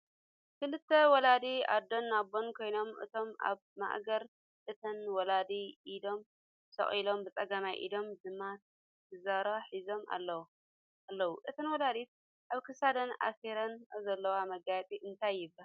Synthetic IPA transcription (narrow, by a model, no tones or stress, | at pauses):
kɨlɨt̪ʰːɐwɔlad̪ia̰d̪ːonːabonkʰo̞jno̞mʔɨ̰t̪ʰo̞ma̰βma̰ʔɡɐɾ | ʔɨt̪ʰɐnwɔlad̪iʔid̪o̞m | sɐ̰χʼilo̞mbɨt͡sʼɐɡamajʔḭd̪o̞mdɨmːat̪ | t̪ʰːɨzaɾaħizo̞mʔa̰lːɐ | alːɐwuʔɨt̪ʰɐnwɐlad̪it̪̚ | ʔaβkʰɨsad̪ɐnʔa̰seɾɐnzɐlːɐwamɐɡajt͡s̪ʼiʔɨnt̪ʰajːɪbːɐ